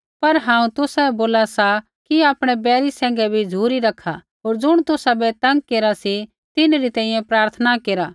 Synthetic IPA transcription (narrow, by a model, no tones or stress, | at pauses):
pɐɾɦãːũt̪ʊsaboːlasa | kiaːpɽ̃ɛbɛːɾisɛ̃ːŋ̆ɡɛbʱid͡zʱuːɾiɾɐkʰa | ɦoːɾd͡zʊɽ̃t̪ʊsabɛt̪ɐ̃ŋɡ̚keːɾasi | t̪ɪnɾit̪ɛ̃ːĩjɛ̃pɾaːɾt̪ʰənakeːɾa